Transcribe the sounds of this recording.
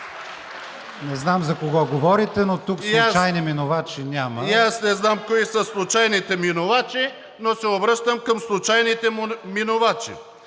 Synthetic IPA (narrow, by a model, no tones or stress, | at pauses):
nɛznamzɐkoɡɔɡovɔɾit̪ɛnot̪uksjat͡ʃajniminovat͡ʃinʲaməjasnɛznamkoisəslˠʊt͡ʃajnit̪ɛminovat͡ʃi | nosɛobɾɤʃt̪əmkɐmslˠʊt͡ʃajnit̪ɛmminovat͡ʃḭ